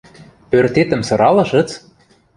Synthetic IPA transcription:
pørt̪et̪ə̆msɤ̆ɾɑlɤ̆ʃɤ̆t͡s

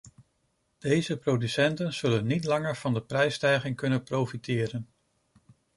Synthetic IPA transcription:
d̥ejzəprowdysɛntənz̥ɵlənːitlɑŋəɹv̥ɑndəprɛjstɛjχɪŋkɵnənprowfitɪːɾən

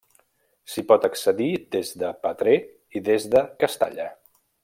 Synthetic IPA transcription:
sipɔt̪əksəðid̪ezðəpət̪ɾe | iðezðəkəst̪a̰ʎə

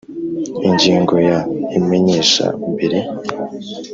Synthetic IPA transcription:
iɲɟiːŋɡo̞jaime̞ɲe̞ːʃa̰mbiɾi

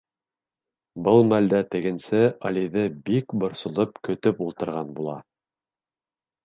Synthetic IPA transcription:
bɤlˠmæld̪æt̪ɘ̆ɡɘ̆nsɘɑliðɘbikbŏɾsŏlˠɤpkɵ̆t̪ɵpulˠt̪ɤ̆ɾʁɑnbulˠɑ̰

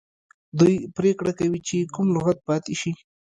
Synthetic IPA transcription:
d̪ujpɾekɽakawit͡ʃekʊmlʊɣat̪̚pɑt̪eʃi

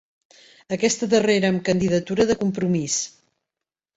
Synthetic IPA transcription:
əkɛst̪əðəreɾəːmkənd̪iðət̪uɾəðəkumpɾumis

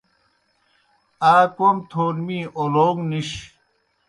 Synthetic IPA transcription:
aːkomt̪ʰoːnmiːʔoloːŋniɕ

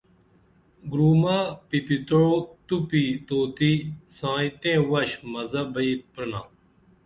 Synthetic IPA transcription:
ɡɾuːmaːpipit̪oot̪upiːt̪oːt̪isãːĩt̪ẽːʋɐɕmɐzɐbɐiːpɾəna̰ː

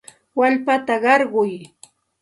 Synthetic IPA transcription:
waʎpat̪aɢɑɾɢʊj

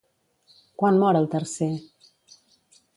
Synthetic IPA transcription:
kwanmɔɾəlˠt̪ərse

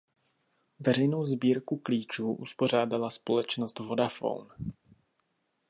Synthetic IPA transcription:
vɛɾɛjno̞wzbiːɾkukliːt͡ʃuːʔuspo̞r̝aːdalaspo̞lɛt͡ʃnost̪vo̞dafo̰wn

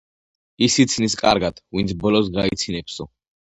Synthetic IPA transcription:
isit̪sʰniskʼa̰ɾɡat̪ʰvint̪sʰbɔlɔsɡait̪sʰinɛpsɔ

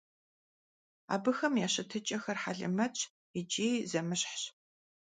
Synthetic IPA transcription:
a̰ːbɨxɐmjaːɕɐtʰɨt͡ʃʼɐxɐrħaɮɨ̰mɐt͡ʃʼ | id͡ʒʼiːzɐmɨɕħɕ

